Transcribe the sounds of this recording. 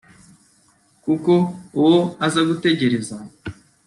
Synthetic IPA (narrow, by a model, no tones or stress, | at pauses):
kuko̞uwoazaɡute̞ɟe̞ɾe̞za